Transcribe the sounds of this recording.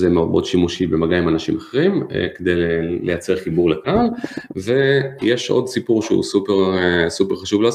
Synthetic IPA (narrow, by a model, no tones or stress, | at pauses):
zemeobod̪ʃimuʃibemaɡaimanaʃimaχeʁim̰ked̪ejlelejat͡se̞ʁχibuʁlekalvejeʃʔo̞̰dsipuʁʃeṵsupeʁsupeʁχaʃuvlaz